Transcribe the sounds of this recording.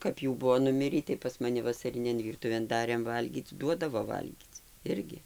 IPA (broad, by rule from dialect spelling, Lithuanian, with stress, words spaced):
kɐp ˈjuː ˈbuɔ nʊˈmʲɪrʲiː tɐɪ pɐs mɐˈnʲɪ ʋɐsɐˈrʲɪnʲeːn ˈʋʲiːrtʊʋʲeːn ˈdɑːrʲeːm ˈʋɐlʲɡʲiːt͡s ˈduɔdɐʋoː ˈʋɐlʲɡʲiːt͡s ˈɪrʲɡʲɪ